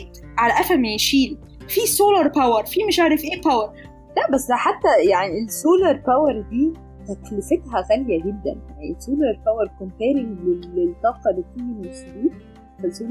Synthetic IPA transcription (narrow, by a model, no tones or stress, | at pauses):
t̪ | ʕalæʔæfælmæjʃiːl | fiːsoːlɑɾˤpæwɑɾˤfiːmeʃʔaʕɾefʔeːpæweɾ | læʔbæsːħat̪ːæjaʕnielsoːlɑɾˤpæweɾˤd̪iː | tæklefet̪ɦæxæljæɡed̪ːæ̰njaʕniesoːlɑɾˤpæweɾˤkompæːɾɪŋlelelt̪ˤːɑːqɑd̪ek̪ijmsb̪iːt̪ | fæsoːl